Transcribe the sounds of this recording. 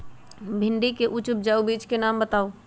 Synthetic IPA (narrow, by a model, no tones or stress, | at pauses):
bʱɪ̃ɳɖikeʔʊt͡ʃʊp̚d͡ʒaːubiːt͡ʃkenaːmbət̪aːoː